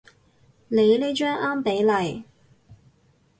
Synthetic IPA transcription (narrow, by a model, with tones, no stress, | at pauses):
ne˨˧jle˨˥jt͡ʃœː˥ŋʔaː˥mpe˨˥jlɐ˨˧j